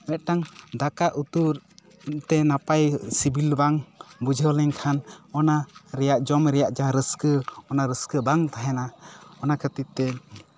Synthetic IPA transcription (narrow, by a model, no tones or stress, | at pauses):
mɛt̪̚ʈaŋd̪akaʔut̪uɾ | t̪ɛnapajsibilbaŋbud͡ʒʱəlɛŋkʰanɔnaɾɛjaʔd͡ʒɔmɾɛjaʔd͡ʒaɾəskəɔnaɾəskəbaŋt̪aɦɛnaɔnakʰət̪it̪̚t̪ːɛ